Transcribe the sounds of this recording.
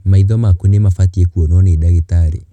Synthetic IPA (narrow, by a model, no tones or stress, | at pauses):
maiðɔmakunemafatiekuonɔnedaɣetaɾḛ